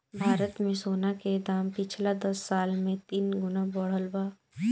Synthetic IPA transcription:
bʱaːɾət̪mẽsoːnaked̪aːmpɪt͡ʃʰlad̪ɐsːaːlmẽt̪iːnɡʊnabɔɽ̤əlbaː

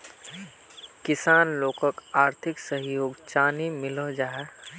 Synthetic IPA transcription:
kɪsaːnloːkəkaːɾt̪ʰɪksəɦjoːɡt͡ʃaːnimɪləd͡ʒaːɛ

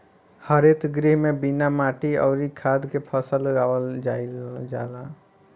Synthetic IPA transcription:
həɾet̪ɡɾiɦmebinamaʈiə̰ʊɾikʰad̪kepʰəsəlɡawəld͡ʒaild͡ʒala

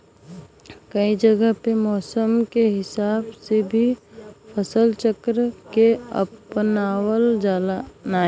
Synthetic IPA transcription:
kɐid͡ʒəɡəɦpemɔːsəmkeɦɪsaːbsebʱipʰəsəlt͡ʃəkɾəkeɐ̰pnaːwəld͡ʒaːlanaː

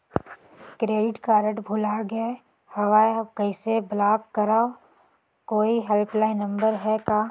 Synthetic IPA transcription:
kɾeːɖɪʈkaːɾə̃ʈbʱʊlaɡəe | hɐʋaːjkɐɪseblaːkkəɾaːo | koːiɦɛlplaːɪnə̃mbəɾɦɛkaː

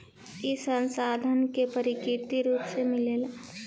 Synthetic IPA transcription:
esə̃nsaːd̪ʱənkepɐɾɪkɪɾt̪iɾuːpsemɪlel

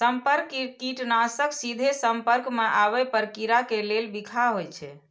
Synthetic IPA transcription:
səmpəɾkːikiʈnasəksid̪ʱesəmpəɾkmeʔaβɛpəɾkiɾakelelbikʰaɦojt͡ʃʰɛ

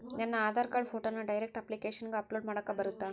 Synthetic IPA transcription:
nɐnːɐːd̪ʱaːɾkaːɖfoːʈoːnːɐɖɐjɾek̚ʈɐplikeːʂɐnɡeɐploːɖmaːɽɐkːɐbɐɾut̪ːa

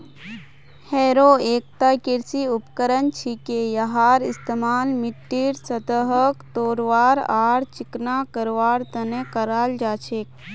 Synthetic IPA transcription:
heːɾoːeːk̚t̪akiɾsiupkəɾənt͡ʃʰikejɐɦaːɾist̪emaːlmiʈːiːɾsɐt̪əɦəkt̪oːɾʋaːɾaːɾt͡ʃiknakəɾʋaːɾt̪ənekəɾaːld͡ʒaːt͡ʃʰeːk̚

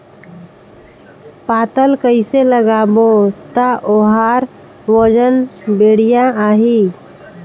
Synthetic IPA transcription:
paːt̪əlkəɪseləɡaːbot̪aʔoɦaːɾ | ʋod͡ʒənbeːɽijãaːɦiː

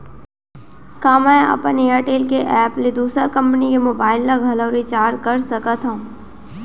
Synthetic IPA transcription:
kaːmɛ̃ːɐ̰pənejaːɾʈeːlkeʔɛːpled̪uːsəɾkɐ̃mpənikemoːbaːɪlnaɡʱɐləːɾit͡ʃaːɾkɐɾsɐkat̪ʰã

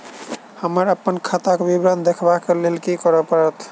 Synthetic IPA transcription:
həməɾəpːənkʰət̪akbibɾand̪ekʰbakelelkikəɾəpəɾət̪ʰ

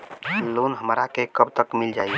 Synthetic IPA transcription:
loːnɦəmɾakekəbt̪əkmild͡ʒaːi

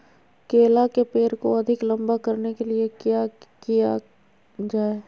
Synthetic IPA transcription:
keːlakepeːɾkoɐd̪ʱɪklɐ̃mbakɐɾnekeliekjakija | d͡ʒaːe

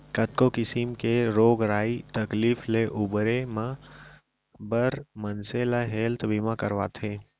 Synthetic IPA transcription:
kɐt̪̚kokɪsimkeɾoːɡɾaːit̪ɐkliːfleʔʊbɾemã | bəɾmənseːlaɦeːlt̪ʰbimãkɐɾʋa̰ːt̪ʰeː

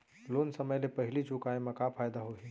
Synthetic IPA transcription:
loːnsəməjlepɐɦɪlit͡ʃukaːẽmẽkapʰaːjd̪aɦoɦi

